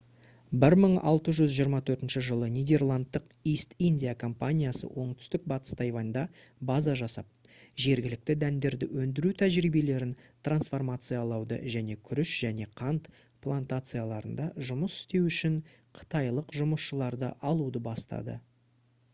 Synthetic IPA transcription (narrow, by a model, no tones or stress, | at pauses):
bɪɾməɴɑ̰lˠt̪əʒʏzʒijəɾmɑt̪ʰɵɾt̪ɪnʃɪʒəlˠənijd̪e̞rlˠant̪ːəq | ist̪inʲd̪ʲijakʰo̞mpanʲijasə̰wʔo̞ɴt̪ʏ̥st̪ɪk̚bɑt̪ə̥st̪ɑjvɑnd̪ɑbazɑʒɑsɑ̰p̚ | ʒe̞ɾɡʲɪlɪk̚t̪ɪd̪ænd̪e̞ɾd̪ɪ̰wɵnd̪ɪɾut̪ʰæʒɾijbe̞le̞ɾɪnt̪ʰransfo̞rmat̪sɨjalˠɑwd̪ə̰ʒæne̞kʲʰʏɾɪʃʒ̥æne̞qʰɑnt̪ | pʰlˠant̪at̪sɨjalˠɑɾənd̪ɑʒʊməsɪ̥st̪e̞wʏʃɪɴ | qʰə̥t̪ɑjlˠəqʒʊməsʃəlˠɑɾd̪əʔɑlˠud̪əbɑst̪ɑ̰d̪ə̰